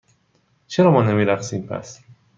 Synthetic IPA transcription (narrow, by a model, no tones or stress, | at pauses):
t͡ʃʰeɾɒːmɒːnemiːɾæxsiːmpʰæ̰s